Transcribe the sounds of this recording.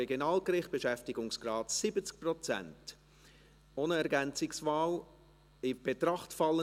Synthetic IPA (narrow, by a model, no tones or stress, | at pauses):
ɛɡjonɑːlkrɪχt̚b̥ɛʃɛftɪɡʊŋsɡ̥rɑːtsɪbət͡sk̚prɔt͡sæ̰nt | oːnəɛɾɡɛnt͡sɪksvaːl | ɪb̥etɾɑχtfɑlːə